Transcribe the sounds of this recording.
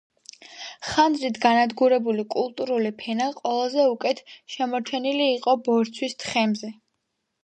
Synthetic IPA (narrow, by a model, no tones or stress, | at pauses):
χand̪zɾit̪ʰɡanad̪ɡuɾɛbulikʼulˠt̪ʼuɾulipʰɛnaqʼwɛlˠazɛukʼɛt̪ʰʃɛmɔɾt͡ʃʰɛniliːqʼɔbɔɾt̪sʰwist̪ʰχɛmzɛ